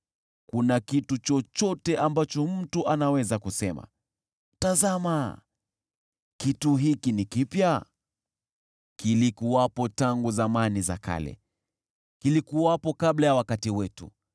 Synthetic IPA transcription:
kunakitut͡ʃɔt͡ʃɔtɛʔambat͡ʃɔm̩tuʔanawɛzakusɛma̰ | tazama | kituɦikinikipja | kilikuwapɔtaŋɡuzamaniza̰ka̰lɛ̰ | kilikuwapɔkablajawakatiwɛtṵ

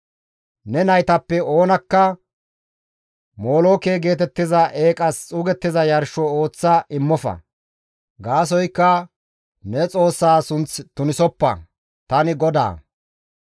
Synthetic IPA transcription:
nɛnɐjt̪ɐpːɛo̞ːnɐkːɐ | mo̞ːloːkeːɡe̞ːt̪ɛt̪ːɪzɐʔeːkʼɐst͡sʼuːɡɛt̪ːɪzɐjɐɾʃɔoːt͡sːaʔɪmːɔfɐ̰ | ɡaːs̬ɔjkːɐ | nɛt͡sʼo̞ːsːaːsʊnt͡st̪ʊnɪsɔpːɐ̰ | t̪ɐnɪɡɔd̪a̰ː

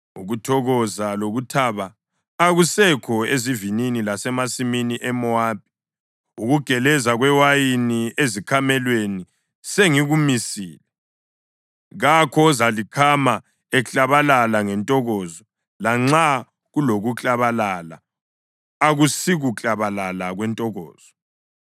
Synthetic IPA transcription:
uɣutʰɔɣɔzaloɣutʰaːβaː | ɣusɛkʰɔezivininilasɛmasiminiʔɛmɔaːp̚ʼi̥ | uɣuɡ̥ʱɛlɛzaɣwɛwajiniezikʰamɛlweni | seŋiɣumisiːlɛ | ɣakʰɔzalikʰama | ɛt͡ɬʼaβalalaŋɛntʼɔɣɔːzɔ | laŋ͡ǁa | ɣuloɣut͡ɬʼaβalala̰ː | ɣusiɣut͡ɬʼaβalalaɣwɛntʼɔɣɔ̰ːz̥ɔ

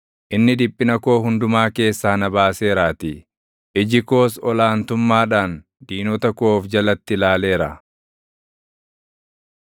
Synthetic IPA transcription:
ʔɪnːɪd̪ɪpʼːɪnɐko̞ːɦʊnd̪ʊmaːke̞ːsːaːnɐbaːse̞ːɾaːt̪ɪ | ʔɪd͡ʒɪko̞ːsɔlaːnt̪ʊmːaːᶑaːn | d̪iːnɔt̪ɐkoːfd͡ʒɐlɐt̪ːɪlaːle̞ːɾɐ

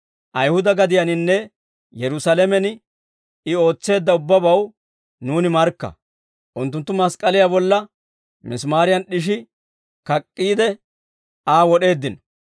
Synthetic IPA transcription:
ʔɐjhʊd̪ɐɡɐd̪ɪjɐnɪnːɛ | jɛɾʊsalɛmɛnɪ | ɪo̞ːt͡sːe̞ːd̪ːɐʊbːɐbɐw | nuːnɪmɐɾkːɐ̰ | ʔʊnt̪ːʊnt̪ːʊmɐskʼɐlɪjabɔlːɐ | mɪsmaːɾɪjɐnɗɪʃ̬ɪ | kɐkʼːiːd̪ɛ | aːwɔɗe̞ːd̪ːɪnɔ

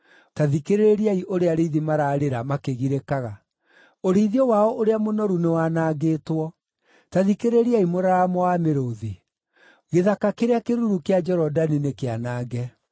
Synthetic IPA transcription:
taðikeɾeeɾiaiʔoɾeaɾeðimaɾaːɾeɾamakeɣiɾekaɣa | oɾiðiɔwaɔʔoɾeamonɔɾunewanaːɡeːtwɔ | taðikeɾeɾiaimoɾaɾamɔameɾoði | ɣeðakakeɾeakeɾuɾukead͡ʒɛɾɔdaninekeanaːɡɛ

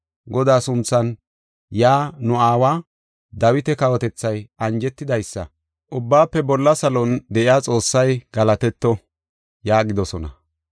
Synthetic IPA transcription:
ɡɔd̪aːsʊnt͡sːɐn | jaːnʊaːwaː | d̪ɐwɪt̪ɛkɐwɔt̪ɛt͡sːɐjʔɐnd͡ʒɛt̪ːɪd̪ɐjsːɐ̰ | ʔʊbːaːpːɛbɔlːɐsɐlɔnd̪ɛʔɪaːt͡sʼo̞ːsːɐjɡ̥ɐlɐt̪ɛt̪ːɔ | jaːɡɪd̪ɔsɔnɐ̰

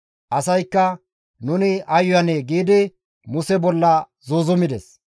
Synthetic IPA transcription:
ʔɐsɐjkːɐ | nʊnɪʔɐjʊjɐneɡiːd̪ɪ | mʊsɛbɔlːɐ | zoːzʊmɪd̪ɛs

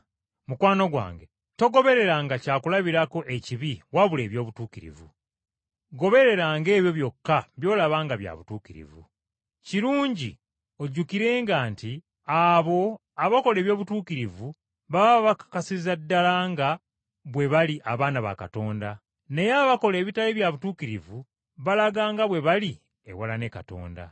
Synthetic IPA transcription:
mukwaːno̞ɡwa̰ːŋɡe̞ | to̞ɡo̞βe̞ɾe̞ɾaŋɡacaːkulaβiɾako̞ʔe̞ciβiwaβule̞ːβjo̞ːβutuːkiɾḭvṵ | ɡo̞βe̞ɾe̞ɾaːŋɡe̞ːβjo̞βjo̞kːaβjo̞ːlaβaːŋɡaβja̰βutuːkiɾḭvṵ | ciɾuːɲɟi | o̞ɟukiɾe̞ːŋɡaːnti | aβo̞ | aβako̞le̞ːβjo̞ːβutuːkiɾivu | βaβaβakḁkasizadːalaŋɡa | βwe̞βaliʔaβaːnaβa̰ka̰to̞ːnda | ne̞jaβako̞le̞ːβitaleβjaβutuːkiɾivu | βalaɡaːŋɡaβwe̞βali | ḛwalane̞kato̞̰ːnda̰

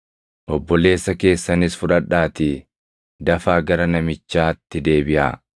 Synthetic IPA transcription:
ʔɔbːɔle̞ːsːɐke̞ːsːɐnɪsfʊᶑɐᶑaːt̪ɪ | d̪ɐfaːɡɐɾɐnɐmɪt͡ʃːaːt̪ːɪd̪e̞ːbɪʔa̰ː

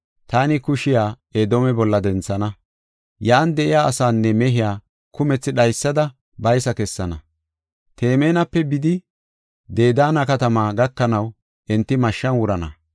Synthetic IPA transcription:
t̪aːnɪkʊʃɪjaː | eːd̪oːmɛbɔlːɐd̪ɛnt͡sːɐnɐ | jaːnd̪ɛʔɪjaːɐsaːnːɛmɛɦɪjaː | kʊmɛt͡sːɪɗɐjsːɐd̪ɐ | bɐjsɐkɛsːɐnɐ | t̪e̞ːmeːnɐpːɛbɪd̪ɪ | d̪e̞ːd̪aːnɐkɐt̪ɐmaːɡɐkːɐnɐw | ʔɛnt̪ːɪmɐʃːɐnwʊɾɐnɐ

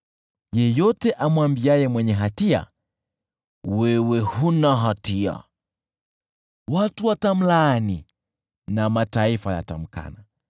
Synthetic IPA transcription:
jɛjɔtɛʔamwambiajɛmwɛɲɛɦatia̰ | wɛwɛhunaɦatia̰ | watuwatam̩laːni | namataifaja̰ta̰m̩ka̰na

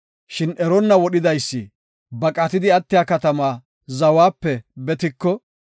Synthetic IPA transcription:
ʃɪnʔɛɾɔnːɐwɔɗɪd̪ɐjsːi | bɐkʼɐt̪ɪd̪ɪɐt̪ːɪjaːkɐt̪ɐmaː | zɐwaːpːɛbɛt̪ɪkːɔ

